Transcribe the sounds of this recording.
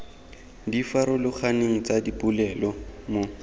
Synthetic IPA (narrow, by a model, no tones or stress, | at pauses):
difaɾʊlʊk͡xʰaneŋ̩t͡sadibulɛlɔmo